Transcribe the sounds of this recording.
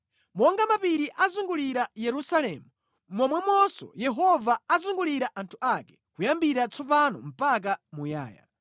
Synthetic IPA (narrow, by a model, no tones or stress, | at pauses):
mɔŋɡamapiɾiʔazuŋɡuliɾajɛɾusalɛmu | mɔmwɛmwɔsɔ̰jɛɦɔvaːzuŋɡuliɾaʔantʰuʔakɛ̥kujambiɾat͡sʰɔp̬anɔ̰m̩pak̬amuja̰ːja̰